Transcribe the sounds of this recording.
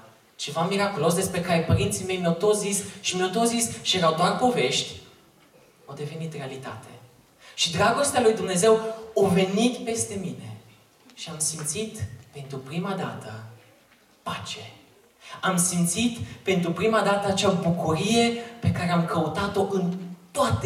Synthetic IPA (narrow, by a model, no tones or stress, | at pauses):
t͡ʃe̞vamiɾakulo̞s̬d̪e̞spɾe̞kaɾe̞pəɾint̪sime̞jmjawt̪o̞t̪szisʃimjawt̪ot̪szisʃijeɾawd̪oarpo̞ve̞ʃt̪ʲ | awd̪e̞ve̞nit̪re̞alit̪a̰t̪ʰe̞ | ʃid̪ɾaɡo̞st̪ealujd̪umne̞ze̞wove̞nit̪pe̞st̪e̞mine̞̰ | ʃiamsimt̪sit̪pe̞nt̪ɾupɾimad̪a̰t̪ə | pat͡ʃe̞ | amsimt̪sit̪pe̞nt̪ɾupɾimad̪at̪əat͡ʃabukuɾije̞pe̞kaɾe̞amkəut̪at̪o̞ʔɨnt̪oat̪